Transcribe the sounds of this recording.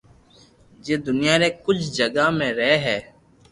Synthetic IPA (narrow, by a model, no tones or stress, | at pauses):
d͡ʒeːd̪ʊnɪjaːnẽːkʊt͡ʃʰd͡ʒəɡaːmẽːɾɛeɦɛː